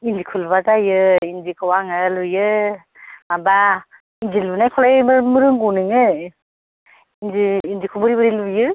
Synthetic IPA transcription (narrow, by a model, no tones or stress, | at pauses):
ind͡ʒikʰulβazajɯinzikʰɯwaŋɯlɯjɯ | maba | ind͡ʒilbɯnajkʰɔlajmmɯɾɯŋɡunɯŋɯ | inziːnd͡ʒikʰubɯɾibɯɾilujɯ